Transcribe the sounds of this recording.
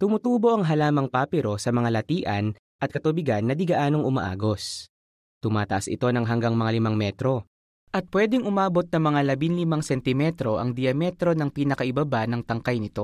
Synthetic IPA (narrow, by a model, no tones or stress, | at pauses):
t̪ʊmʊt̪uːbo̞ʔɐŋɦɐlaːmɐŋpaːpɛɾo̞sɐmɐŋalɐt̪iːʔɐn | ʔɐt̪̚kɐt̪ubɪɡanːɐd̪ɪɡɐʔaːnoŋʔʊmɐ̰ʔa̰ːɡo̞s | t̪ʊmaːt̪ɐʔasɪ̰t̪o̞nɐŋɦɐŋɡaŋmɐŋalɪmaŋmɛt̪ɾo̞ | ʔɐt̪̚pwɛːd̪ɛŋʔʊmaːbo̞t̪̚nɐmɐŋalɐbinlɪmaŋsɛnt̪ɪmɛt̪ɾo̞ʔɐ̰ŋd̪ɪjɐmɛt̪ɾo̞nɐŋpiːnɐkɐʔɪbɐbanɐŋt̪ɐŋkajnɪt̪o̞